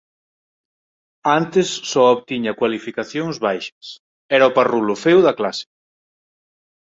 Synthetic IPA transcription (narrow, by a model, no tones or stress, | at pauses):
ant̪ɪsːɔoβt̪iɲɐkwalifikaθjõŋzβajʃɐs | ɛɾaʊparulofɛwðɐklasɪ̥